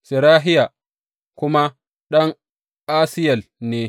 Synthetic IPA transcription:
sɪ˨ɾaː˦ɦɪ˦ja˨ | kʷʊ˦ma˦ | ɗɐ˦ŋ | ʔaː˦sɪ˦jɐ˨lneː˦

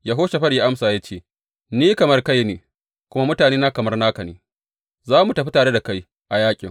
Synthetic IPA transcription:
jaː˦ɦoː˦ʃe˨ɸɐ˦ɽjaː˦ʔa˦msaː˨ja˦t͡ʃeː˦˨ | niː˦kɐ˨mɐ˦rka˦jneː˨ | kʷʊ˦ma˦mʊ˦taː˨neː˦naː˦kɐ˨mɐ˦rnaː˦kɐ˨nḛː˨ | zaː˦mu˨tɐ˨ɸi˦taː˨ɽe˦da˨ka˦j | ʔa˨jaː˦kʲʼɪ̰˨ŋ

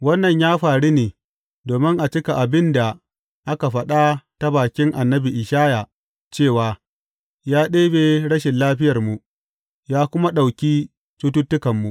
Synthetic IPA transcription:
wɐ˦nːɐ˨ɲjaː˦ɸaː˨ɽi˦neː˨ | doː˨mɪ˦ŋʔa˨t͡ʃɪ˦ka˨ʔa˨bɪ˦nda˨ | ʔa˦ka˨ɸɐ˦ɗa˦ta˦baː˨kʲɪ˦ŋʔa˨nːɐ˦bi˨ʔɪ˨ʃaː˦ja˨ | t͡ʃeː˦˨waː˨ | jaː˦ɗeː˦beː˨ɽɐ˦ʃɪ˨nlaː˦ɸɪ˦jɐ˨rmu˨ | jaː˦kʷʊ˦ma˦ɗa˨wkʲiː˦ | tu˦tʊ˦tːʊ˦kɐ˨mːu˨ʔ

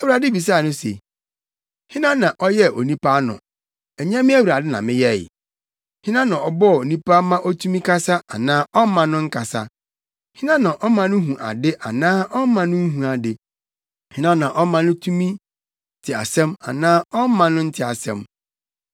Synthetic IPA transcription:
ɛ˨˦wu˨ɾa˨dɪ˦bi˨s̬a˦˨nʊ̃˦se˨ | hɪ̃˦nã˦nã˨ʔɔ˦jɛ˦o˨nĩ˦pa˦nʊ̰̃˨ | ɛ˨ɲã˦mɪ̃˦æ˦wu˨ɾa˨dɪ˦nã̰˨mɪ̃˦jɛ̰˦˨ | hɪ̃˦nã˦nã˨ɔ˨bɔ˦˨o˨nĩ˦pa˦mã˦ʔɔ˦tʰu˦mĩ˦kʰa˦sa˦a˨nãː˦ʔɔ˦mã˨nʊ̃˦ŋ̩˦kʰa˨sa̰˦ | hɪ̃˦nã˦nã˨ʔɔ˦mã˨nʊ̃˦ɦũ˨ʔa̰˨dɪ˦ʔa˨nãː˦ʔɔ˦mã˨nʊ̃˦ɦũ˨a˨dɪ˨ | hɪ̃˦nã˦nã˨ʔɔ˦mã˨nʊ̃˦tʰũ˦mĩ˦ | tʰɪ˨a̰˨sɛ̃˦ma̰˨nãː˦ɔ˦mã˨nʊ̃˦n̩˦tʰɪ˨a˨sɛ̰̃˦m

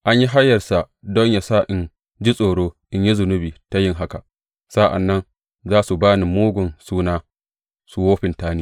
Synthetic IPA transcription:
ʔa˦ɲji˦ɦa˦jːɐ˨rsa˨ | dɔ˦ɲja˨sa˦˨ʔɪ˨n | d͡ʒi˦sʼoː˨ɽoː˦ʔɪ˦ɲji˦zʊ˨nʊ˦biː˨ta˨jɪ˦ŋɦa˦ka˨ | sa˦ʔa̰˨nːɐ˦n | zaː˦su˨baː˦ni˨muː˦ɡʷʊ˨nsuː˦naː˦ | su˨woː˦ɸɪ˨ntaː˦niː˦

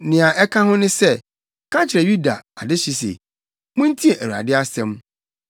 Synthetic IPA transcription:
nɪ̃˨a˨ʔɛ˦kʰã˦ɦʊ̃˦nɪ̃˦sɛ˦˨ | kʰã˦nt͡ɕʰɪ˨ɾɛ˨ju˦da̰˨a̰˨dɪ˦ɕi˦sḛ˨ | mʊ̃˦n̩˦tʰi˦ɛ˨ʔæ˨wa̰˨dɪ˦a˦sɛ̃˦m

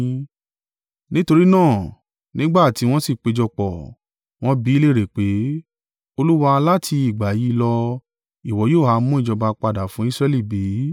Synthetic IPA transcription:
nĩ˦to˧ɾi˦nãː˦˨ | nĩ˦ɡ͡ba˦˨ti˨˧˦w̃ɔ̃˦si˦˨k͡pe˧d͡ʒɔ˧k͡pɔ˨ | w̃ɔ̃˦bi˨˦le˦˨ɾe˨k͡pe˨˦ | o˧lu˦wa˧la˦tʰi˧i˨ɡ͡ba˨ji˨˦lɔ˧ | i˨wɔ˨˦joː˦˨ha˧˦mũ˦i˦˨d͡ʒɔ˧ba˧k͡pa˧da˨fũ˨˦i˦˧sɾɛ˧li˦˨be˨˦

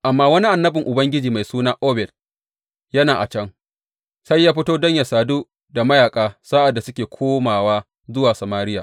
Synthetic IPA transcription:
ʔa˨mːaː˦wɐ˦ni˦ʔa˨nːɐ˦bɪ˨ŋʔʊ˨bɐ˦ŋɡʲɪ˦d͡ʒiː˨ma˨jsuː˦naː˦ʔoː˦bɛ˨t̚ | jɐ˦naː˨ʔa̰˨t͡ʃɐ˦ŋ | sa˦jːaː˦ɸɪ˦toː˦dɐ˦ɲja˨saː˨duː˦ | da˨mɐ˦jaː˨kʼaː˦saː˦ʔa˨dːa˨sʊ˦kʲeː˨kʷʰoː˦maː˨waː˦ | zʊ˦waː˨sa˨maː˦ɾɪ˦jaː˨

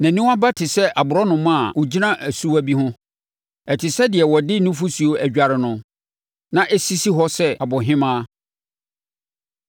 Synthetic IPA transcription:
næ̃˨nĩ˦a˦ba˦tʰɪ˨sɛ˦ʔa˨bʊ˨ɾɔ˦nʊ̃˨mã˦˨wʊ˨d͡ʑi˦nã˦ʔæ˨su˦æ˦bi˦hʊ̃˦ | ɛ˨tʰɪ˨sɛ˦dɪ˨ɛ˨wɔ˨dɪ˦nʊ̃˦fu˦su˨o˦æ˨d͡ʑᶣa˨ɾɪ˨nʊ̃˦ | nã˦ʔɛ˦si˦si˦ɦɔ˦sɛ˦a˨bɔ˨ɦɪ̃˦mãː˦

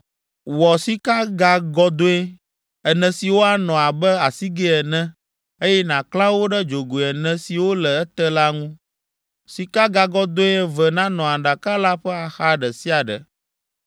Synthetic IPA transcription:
wɔ˨si˦ka˦ɡa˦ɡɔ˦d̪o˦e˦ | ɛ˨nɛ̃˨si˨wo˦a˨nɔ̃˨a˨bɛ˦a˨si˦ɡɛ˦ɛ˨nɛ̃˦ | e˦jɛ˦nã˨klã˦wo˦ɖɛ˦d͡ʒo˨ɡo˨ɛ˨nɛ̃˨si˨wo˦lɛ˨ɛ˦t̪ɛ˦la˦ŋũ˦ | si˨ka˦ɡa˨ɡɔ˦d̪o˦e˦vɛ˨nã˦nɔ̃˨a˨ɖa˨ka˦la˦ɸɛ˦a˨xa˦ɖɛ˨si˦a˨ɖɛ̰˨

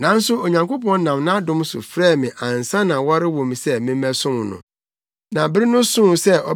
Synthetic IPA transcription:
nã˦n˦sʊ˦o˨ɲã˨ŋko˦pɔ̃˦n˦nã˨mnã˦a˦dʊ̃˦m˦sʊ̰˨fɾɛː˦˨mɪ̃˨ʔã˨n˨sã˦nã˨wa˦ɾɪ˦wɔ̃˨m˨sɛ˦mɪ̃˦mɛ̃˦sʊ̃˦m˨nʊ̰̃˨ | nã˨bɪ˦ɾɪ˦nʊ̃˦sʊ̃˦m˨sɛ˦ɔ˨

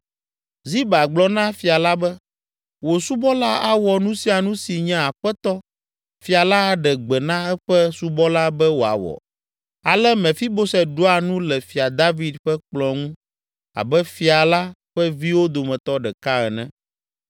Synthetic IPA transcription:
zi˦ba˨ɡ͡blɔ˦nã˦fi˨a˨la˦bɛ˦ | wo˨su˦bɔ˦la˦a˦wɔ˨nũ˦si˦a˨nũ˦si˨ɲɛ̃˦a˨ɸɛ˦t̪ɔ˦ | fi˨a˨la˦˨ɖɛ˨ɡ͡bɛ˨nã˦ɛ˦ɸɛ˦su˦bɔ˦la˦bɛ˦wo˨a̰˨wɔ̰˨ | a˨lɛ˦mɛ̃˨fi˦bo˦sɛ˨ɖo˦a˨nũ˦lɛ˨fi˨a˨d̪a˦vi˨˦d̪ɸɛ˦k͡plɔ˨ŋũ˦ | a̰˨bɛ˦fi˨a˨la˦ɸɛ˦vi˦wo˦d̪o˨mɛ̃˨t̪ɔ˦ɖɛ˨ka˦ɛ˨nɛ̰̃˦

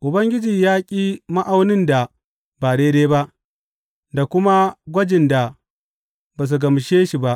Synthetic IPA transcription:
ʔʊ˨bɐ˦ŋɡʲɪ˦d͡ʒiː˨jaː˦kʲʼiː˦ma˦ʔa˦wnɪ˦nda˨ | baː˨ɽeː˦deː˦ba˦ʔ | da˨kʷʊ˦ma˦ɡʷɐ˦d͡ʒɪ˨nda˨ | baː˨s̬u˨ɡɐ˨mʃeː˦ʃi˨ba˦ʔ

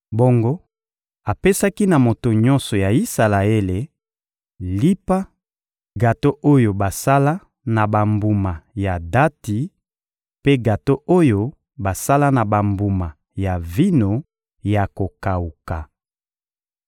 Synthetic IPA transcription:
bo˦ŋɡo˦ | a˨pe˦sa˦ki˦na˨mo˨to˨ɲɔ˦nsɔ˨ja˨i˦sa˨la˨e˦le˨ | li˦pa˦ | ɡa˨to˦ʔo˦jo˨ba˨sa˦la˦ | na˨ba˨mbu˨ma˨ja˨da˦ti˨˦ | pe˦ɡa˨to˦o˦jo˦ | ba˨sa˦la˦na˨ba˨mbu˨ma˨ | ja˨vi˦no˨ | ja˨ko˨ka˨u˨ka˨

